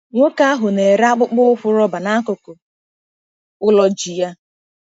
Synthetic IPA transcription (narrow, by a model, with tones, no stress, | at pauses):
ŋʷo˦ka˦a˦ɦʊ˨ne˨ɾa˦k͡pʊ˦k͡pʊ˦ɸʊ˦ɾɔ˦ba˨na˦kʊ˨ko˨ | ʊ˦lɔ˦d͡ʒi˨ja˦